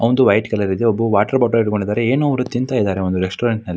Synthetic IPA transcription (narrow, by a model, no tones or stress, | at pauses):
ɐʋnd̪uʋɐjʈkɐlɐɾid̪eobːuʋaːʈɐɾbaːʈoiʈkoɳɖid̪aːɾeeːnuɐʋɐɾut̪ːint̪aːjid̪aːɾeo̞nd̪uɾesʈoːɾɐɳʈnɐlːi